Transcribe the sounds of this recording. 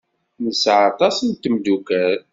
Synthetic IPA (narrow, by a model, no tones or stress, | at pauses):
nəsʕat̪ˤɑsənt̪md̪ukæɾ